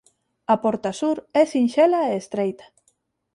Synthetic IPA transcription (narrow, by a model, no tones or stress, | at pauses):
ɐpɔɾt̪asuɾɛsinʃelaeːst̪ɾejt̪ḁ